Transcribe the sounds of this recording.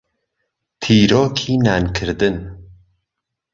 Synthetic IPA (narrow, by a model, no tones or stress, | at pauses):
t̪ʰiːɾoːkʰiːnankʰɨɾd̪ɨn